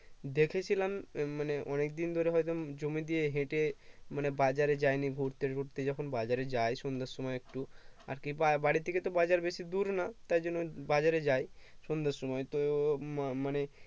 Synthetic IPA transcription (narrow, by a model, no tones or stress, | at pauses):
d̪ekʰet͡ɕʰilammaneʔɔnekd̪ind̪ʱoɾeɦɔjt̪od͡ʑomid̪ijeɦẽʈemanebad͡ʑaɾed͡ʑajniɡʱuɽt̪eɡʱoʈt̪ed͡ʒɔkʰonbad͡ʑaɾed͡ʑajsund̪aɾsɔmɔekʈua̰ɾkibabaɽit̪ʰːeket̪obad͡ʑaɾbeʃid̪uɾnat̪ajd͡ʒɔnːobad͡ʑaɾed͡ʑajsund̪aɾsɔmɔjt̪o | mane